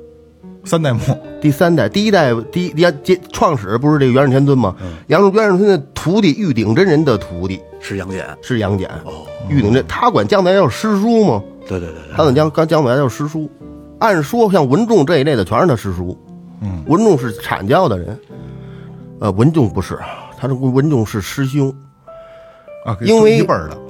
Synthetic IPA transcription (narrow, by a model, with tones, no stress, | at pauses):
sa˥nt̪a˥˧ɪmu˥˩t̪i˥˩sa˥nt̪a˥˩ɪt̪i˧i˥t̪a˥˩ɪt̪i˥˧i˥t͡ɕɛ˥ʈ͡ʂʰwɑ˥˩ŋʂɻ̩˨˩p̬u˧˥ʂɻ̩˥˧ʈ͡ʂe˥˩ɥn˧t̪ʰɛ˥nt̪̬wə˥nmɐ˨jɑ˧˥ŋ˧ɥɛ˧˥ɻnt̪ʰə˥n˧˩t̪ʰu˧˥t̪i˥˧y˥˩t̪i˨˩ŋʈ͡ʂə˥ɻə˧˥nd̪ə˨t̪ʰu˧˥t̪i˥˩ | ʂ̩˥˧˥ŋjɛ̰˨˩˦nʂɻ̩˥˩jɑ˧˥ŋt͡ɕjɛ̰˨˩˦ny˥˩i˨˩ŋ˩ʈ͡ʂə˧nt̪ʰa˥kwa̰˨˩nt͡ɕjɑ˥˧ŋt̪jɑ˥˩ʊʂɻ̩˥ʂu˥mɐ˨t̪we˥˧ɪt̪we˥˧˥a˥d̪ə˨˩t͡ɕjɑ˥ŋkɑ˥t͡ɕjɑ˥ŋkwa˨˩˥jɑ˥˩ʊʂɻ̩˥ʂu˥ | a˥˩nʂwɔ˥ɕjɑ˥˩ŋwə˧˥nʈ͡ʂʊ˥˧ŋʈ͡ʂɤ˥˧i˧˥le˥˩ɪd̪ə˩t͡ɕʰɥɛ˧˥ə˞˧˩t̪ʰa˧˥ʂɻ̩˥ʂu˥ | wə˧˥nʈ͡ʂʊ˥˧ŋʂ̬ɻ̩˥˩ʈ͡ʂʰa̰˨˩nt͡ɕjɑ˥˩ʊd̪ə˩ɻə̰˧˥n | ə˧wə˧˥nʈ͡ʂʊ˥˧ŋpu˧˥ʂɻ̩˥˩t̪ʰa˥ʈ͡ʂwə˧˥nʈ͡ʂʊ˥˧ŋʂɻ̩˥˩ʂɻ̩˥ɕ̬jʊ˥ŋ | i˥nwe˥˩˧ɪpə˞˨˩˦